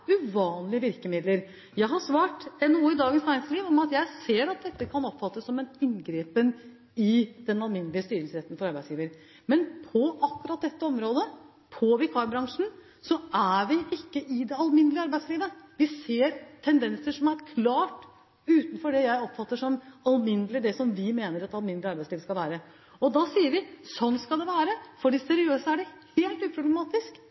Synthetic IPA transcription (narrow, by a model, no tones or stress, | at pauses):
ʉʋɑːnlɪəʋɪɾkəmɪd̪ləɾ | jæɪɦɑʂʋɑːʈɛnːuːəɪd̪ɑːɡənsæɾɪŋsliːʋɔmɑt̪jæɪseːɾɑt̪̚d̪ɛt̪ːəkʰɑnɔpːfɑt̪ːəsːɔmɛnɪnɡɾeːpən | ɪd̪̥ɛnɑlmɪnːəlɪəst̪yːɾəlsɾɛt̪ːn̩fɔɾɑɾbæɪsjiːʋəɾ | mɛnpʰɔʔɑkːʉɾɑt̪̚d̪ɛt̪ːəɔmɾoːd̪ə | pʰɔʋɪkʰɑbɾɑŋʂn̩ | sɔæʋɪʔɪkːəʔɪd̪ɛɑlmɪnəlɪəɑɾbæɪsliːʋəʋɪseːɾt̪ʰɛnd̪ɛnsəʂɔmæɾkʰlɑːʈ | ʉːt̪n̩fɔɖɛjæɪɔpfɑt̪ːəʂɔmɑlmɪnd̪əlɪd̪ɛsɔmʋɪmeːnəɾɑt̪ɑlmɪnlɪɑɾbæɪsliːʋəskɑlʋæːɾə | ɔd̪ɑːsiːəɾʋɪsɔnskɑld̪ɛʋæːɾəfɔɖiːsɛɾɪøːsəæɖɛheːlt̪ʉːpʰɾʊblɛmɑːt̪ɪsk